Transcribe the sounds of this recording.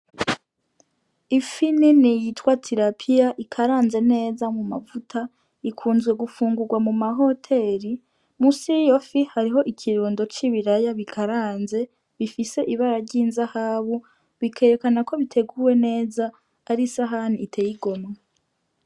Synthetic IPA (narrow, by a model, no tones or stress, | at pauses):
ifininijitwatʰiɾapʰijaʔikʰaɾaːnze̞ne̞ːzamuma̰vutʰa | ikʰuːnzɡwe̞ɡufuːŋɡuɾɡwamumaɦo̞tʰe̞ɾi | musijofihaɾiɦo̞ʔikʰiɾuːndo̞t͡ʃiβiɾajaβikʰaɾaːnze̞ | βifise̞ʔiβaɾaɾɟiːnzahaːβu | βikʰe̞ɾe̞kanakʰo̞βitʰe̞ɡuwe̞ne̞ːzaː | ɾisaɦanitʰe̞jiɡo̞ma